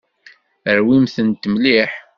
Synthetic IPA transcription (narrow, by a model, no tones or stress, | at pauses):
əɾwimθənt̪mliħ